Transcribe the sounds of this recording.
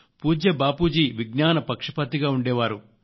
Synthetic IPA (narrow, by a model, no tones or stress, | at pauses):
puːd͡ʒjɐbaːpuːd͡ʒiʋiɡnaːnɐpɐkʂɐ̥pɐt̪ːiɡaːuɳɖɛːʋaːɾu